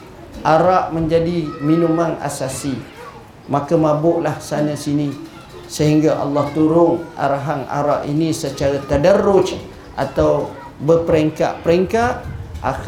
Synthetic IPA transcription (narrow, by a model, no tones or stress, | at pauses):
ʔaɾaʔmə̃ɲd͡ʒadiminũmãna̰sasi | mãkamãbʊʔlahsanãsini | səɦiŋɡaʔɑ̰lːɑht̪uɾʊŋʔa̰ɾaɦana̰ɾaʔḭnĩsət͡ʃaɾat̪adəɾʊt͡ʃ | ʔa̰t̪aw | bəpəɾeŋka̰ʔpəɾeŋkaʔ̪̚ʔa̰